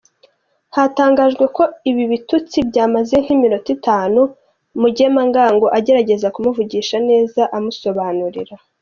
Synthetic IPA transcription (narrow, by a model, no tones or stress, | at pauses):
hataːŋɡaːʒɡwe̞ko̞iβiβitut͡sibɟaːmaze̞ŋ̥himinotitaːnu | muɟemaŋɡaːŋɡo̞ʔaɟe̞ɾaɟe̞zakumuvuɟiːʃane̞ːzaʔamuso̞βaːnuɾḭɾa